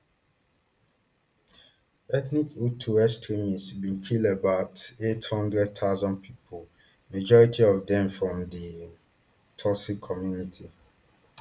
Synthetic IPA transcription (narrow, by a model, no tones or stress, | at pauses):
ɛtnikutʰuɛstɹĩmisbĩnkʰiləbaʊtethɔ̃ndɹɛd̚t̪ʰazɔ̃npʰipʰol | mad͡ʒɔɹitʰiɔvdɛ̃mfɹɔ̃mdi | tʰɔsikʰɔmjunitʰi